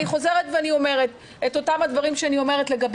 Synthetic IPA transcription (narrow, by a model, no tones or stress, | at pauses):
iχo̞ze̞ʁetveanio̞me̞ʁet | eto̞tamad̪vaʁimʃeanio̞me̞ʁetle̞ɡab